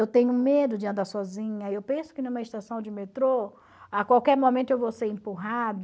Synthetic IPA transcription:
ewt̪ẽɲʊũmed̪ʊd͡ʒɪɐ̃nd̪aɾsɔzĩɲɐewpẽsʊ̥kɪnũmɐist̪asɐ̃w̃d͡ʒɪmet̪ɾo | akwawkɛɾmõmẽnt̪ʊewvoseɾẽmpuɦad̪

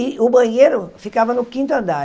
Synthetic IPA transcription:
ɪʊbɐ̃ɲeɾʊfikavɐnʊkĩt̪ʊɐ̃nd̪aɾ

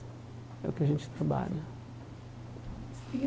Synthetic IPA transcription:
ɛ̰ukɪɐʒẽnt͡ʃ̪t̪ɾɐba̰ʎɐ

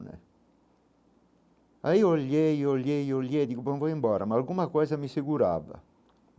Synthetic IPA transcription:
nɛ̰ | aiɔljejɔljejɔljed̪ikubɔɱvɔimbɔːɾamaːlɡumakɔzamiseɡuɾa̰va̰

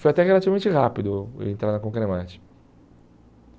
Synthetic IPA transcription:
fojat̪ɛʁelatt͡ʃivɐmẽt͡ʃɪɦapid̪ʊ̰ḛ̃nt̪ɾaɾnɐkõkɾemãt͡ʃɪ̥

